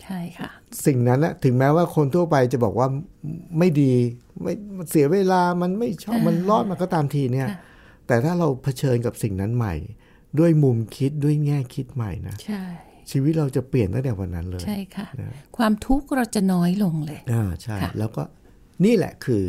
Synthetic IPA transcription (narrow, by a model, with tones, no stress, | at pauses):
t͡ɕʰa˥˩jkʰa˥˩si˨˩ŋna˦˥nʔa˧˩t̪ʰɯ˩˦ŋmɛː˦˥waː˥˩kʰo˧nt̪ʰu˥˩ɐpa˧jt͡ɕa˨˩bɔː˨˩k̚waː˥˩ma˥˩jdiː˧ma˥˩jm˧nsi˩˦ɐweː˧laː˧ma˧nma˥˩jt͡ɕʰɔː˥˩p̚ma˧nlɔː˦˥˩t̪̚ma˧nkɔː˥˩t̪aː˧mt̪ʰiː˧ni˥˩ɐ | t̪ɛː˨˩t̪ʰaː˥˩ɾa˧wpʰa˧t͡ɕʰɤː˧nka˨˩p̚si˨˩ŋna˦˥nma̰˨˩j | du˥˩əjmu˧mkʰi˦˥t̪̚du˥˩əjŋɛː˥˩kʰi˦˥t̪̚ma̰˨˩jna̰˦˥t͡ɕʰa˥˩j | t͡ɕʰiː˧wi˦˥t̪̚ɾa˧wt͡ɕa˨˩pli˨˩ənt̪ʰa˥˩ŋt̪ɛ˨˩wa˧nːa˦˥nlɤːt͡ɕːja˥˩jkʰa˥˩na̰˦˥kʰwaː˧mt̪ʰu˦˥k̚ɾa˧wt͡ɕa˨˩nɔː˦˥jlo˧ŋlɤː˧jʔaː˨˧˩t͡ɕʰa˥˩˧lɛː˦˥wkɔː˥˩ | niː˥˩lɛ̰˨˩kʰɯː˧